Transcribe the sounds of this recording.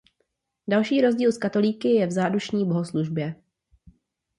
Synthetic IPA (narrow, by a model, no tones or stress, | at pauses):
dalʃiːɾo̞zɟiːlskat̪o̞liːkɪjɛvzaːduʃɲiːbo̞ɦosluʒbjɛ